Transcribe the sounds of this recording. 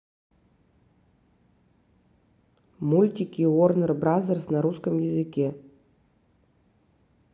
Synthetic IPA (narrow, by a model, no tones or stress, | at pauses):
mulʲtʲikʲiornərbrazɐrsnaɾuskəmjɛzɨkʲe